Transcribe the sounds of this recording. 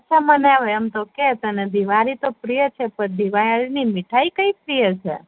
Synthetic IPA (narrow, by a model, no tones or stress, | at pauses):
ətːʃʰamənɛʋəjəmt̪oket̪əned̪iʋaɾit̪opɾijət͡ʃʰepəɾd̪iʋajɾinimiʈʰaikəipɾijət͡ʃʰḛ